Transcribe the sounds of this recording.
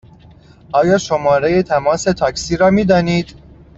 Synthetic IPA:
ʔɒːjɒːʃomɒːɾe̞jet̪ʰæmɒːse̞t̪ʰɒːksiːɾɒːmiːd̪ɒːniːd̪

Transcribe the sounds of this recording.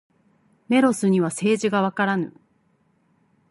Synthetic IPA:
me̞ɾo̞sɨɲ̟iβase̞ːʑiɡaβ̞akaɾanɯ̰

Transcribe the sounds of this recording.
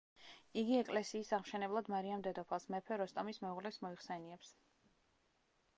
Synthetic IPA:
iɡiɛkʼlɛsiːsaʁmʃɛnɛblˠad̪maɾiamd̪ɛd̪ɔpʰalˠsmɛpʰɛɾɔst̪ʼamismɛuʁlɛsmɔiχsɛniɛps

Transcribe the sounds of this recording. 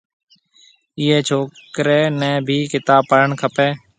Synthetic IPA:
iːeːt͡ʃʰoːkɾeːnɛ̃ːbʱiːkɪt̪aːpəɾəɳkʰəpɛː

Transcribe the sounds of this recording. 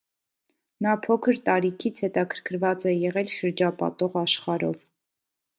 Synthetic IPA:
nɑpʰɔkʰəɾt̪ɑɾikʰit͡sʰhɛt̪ɑkʰəɾkʰəɾvɑt͡sɛjɛʁɛlʃəɾd͡ʒɑpɑ̰t̪ɔʁɑʃχɑɾɔ̰v

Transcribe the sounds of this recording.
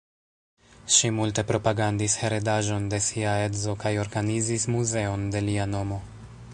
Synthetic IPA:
ʃimulte̞pɾo̞paɡandishe̞ɾedaʒo̞nde̞siae̞dzo̞kajo̞ɾɡanizismuze̞o̞nde̞liano̞mo̞

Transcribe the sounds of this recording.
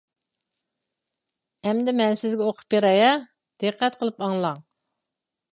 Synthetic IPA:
ɛmd̪ɪmɛnsɪzɡʲɛoqʰʊ̥pjeɾɑjɑ | d̪̥ɨqʰːɛt̪qʰəlˠɨpɑŋlˠɑŋ

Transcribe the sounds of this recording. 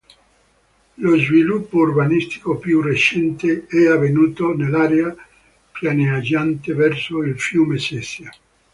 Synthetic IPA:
lozvilupːourbanist̪i̥kopjuret͡ʃɛnt̪eɛavːenuːt̪onelːaɾea | pjanead͡ʒant̪evɛrsoilfjuːmesɛsja

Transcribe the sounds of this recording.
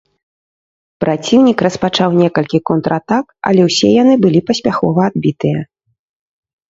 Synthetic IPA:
pɾat͡sʲiwnʲikrɐspat͡ʂawnʲɛkɐlʲkʲikɔnt̪ɾat̪akɐ̰lʲɛwsʲɛjan̪ɨbɨlʲipɐsʲpʲaxɔvɐːd̪̚bʲit̪ɨjɐ

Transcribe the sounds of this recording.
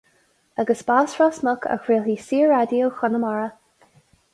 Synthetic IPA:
aɡəsbasfɹasmɔkʰa̰xɹeːlisiːəɹɹadjowxɔnəmaɹə

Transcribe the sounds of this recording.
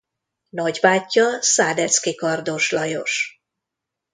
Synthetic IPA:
nɒɟbaːcːɒsaːd̪ɛt̪skikɒrd̪o̞ʃlɒjo̞ʃ

